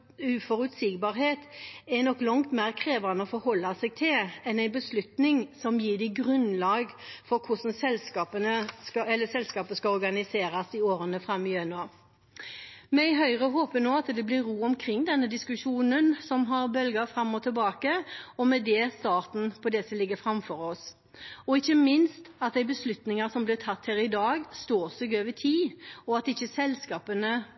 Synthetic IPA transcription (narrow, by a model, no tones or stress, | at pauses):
ʉfɔɾʉt̪siːɡbɑːɾɦheːt̪ɛnɔkːlɑŋt̪mæʁkʰɾeːʋənəɔfɔɾhɔlːɑsɛɡ̚t̪ʰɪlɛnæɪnbəslʉt̪nɪŋsɔmjiːd̪ɪɡɾʉnlɑːɡfɔɾkʰʊsn̩sɛlskɑːpənəskɑɛlːəsɛlskɑːpəskɑɔɾɡɑnɪseːɾɑsɪoːɾənəfɾɑmːɪœnɑː | mɛɪɦœʏʁəɦoːpənoːɑt̪d̪ɛblɪɾːuːɔmkʰɾɪŋːd̪ɛnːəd̪ɪskʉʂuːnənsɔmɦɑɾbœlɡəfɾɑmːɔt̪ʰɪlbɑːkəɔmɛd̪ɛːst̪ɑːʁt̪n̩pʰɔd̪ɛsɔmlɪɡːəfɾɑmfɔɾɔs | ɔɪçːəmɪnst̪ɑt̪̚d̪æɪbəslʉt̪nɪŋəsɔmblɪʁt̪ʰɑt̪ːhæːɾɪd̪ɑːɡst̪oːsɔɡøːʋɪt̪ʰiːɔɑt̪ɪçːəsɛlskɑːpənə